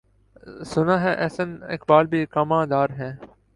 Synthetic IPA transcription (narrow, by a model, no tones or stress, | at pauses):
sʊnãːɦɛ̃ːʔɛːsənɪ̰kbaːlbʱiːkaːmãːd̪aːɾɦɛ̃ː